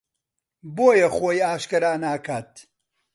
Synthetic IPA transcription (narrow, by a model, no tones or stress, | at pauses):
boːjɐxoːjaːʃkɐɾaːnaːkʰaːt̪